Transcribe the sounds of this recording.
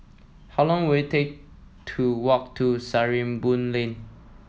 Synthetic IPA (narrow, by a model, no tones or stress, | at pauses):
haʊlɔ̃ŋwetʰek̚ | tʰuwɔk̚tʰusaɹĩmbũnlẽn